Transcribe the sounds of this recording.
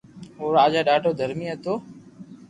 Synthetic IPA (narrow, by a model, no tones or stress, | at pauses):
oːɾaːd͡ʒaːɗaːɖʱoːd̪ʱəɾmiːət̪oː